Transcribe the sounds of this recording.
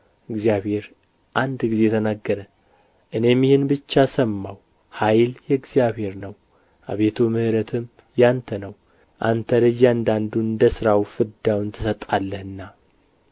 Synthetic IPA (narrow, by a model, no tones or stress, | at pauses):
ɨɡzijaβhe̞ɾ | ʔand̪ɡize̞t̪ʰənaɡːəɾə | ʔɨne̞mjihɨnbɨt͡ʃːasəmːaw | hajljɛɡzijaβhe̞ɾnəw | ʔaβe̞t̪ʰumɨhɾət̪ʰɨm | jant̪ʰənəw | ʔant̪ʰəlɨjːand̪and̪uɨnd̪əsɨɾawfɨd̪awɨnt̪ʰɨsət̪ʼːalːəhɨnːa